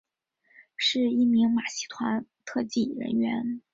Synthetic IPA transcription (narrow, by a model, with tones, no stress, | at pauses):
ʂɻ̩˥˧i˥˩mi˧˥ŋma˨˩ɕi̥˧˥˩t̪ʰwa˧˥nt̪ʰɤ˥˧t͡ɕi˥˩ɻə̰˧˥nɥɛ˧˥n